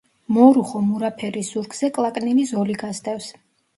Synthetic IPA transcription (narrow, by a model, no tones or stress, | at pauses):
mɔɾuχɔmuɾapʰɛɾisz̥uɾkz̥ɛkʼlˠakʼninizɔliɡast̪ʼɛfs